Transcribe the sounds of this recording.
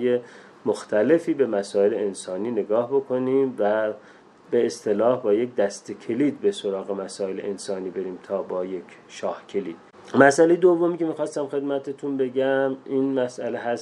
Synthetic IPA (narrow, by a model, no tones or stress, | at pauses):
je | moxt̪ʰæle̞fiːbe̞mæsɒːeleensɒːniːne̞ɡɒːhbo̞kʰo̞niːmvæ | be̞ːst̪ʰe̞lɒːhbɒːjek̚d̪æst̪ekʰeliːd̪beso̞ɾɒːɣe̞mæsɒːe̞lḛʔensɒːniːbe̞ɾiːmt̪ʰɒːbɒːje̞kʰʃɒːhcʰe̞liːd̪̥ | mæsʔæle̞jed̪ovːomiːcʰe̞miːxɒːst̪æmxe̞d̪mæt̪ʰet̪ʰunbe̞ɟæmʔiːnmæsʔæleɦæs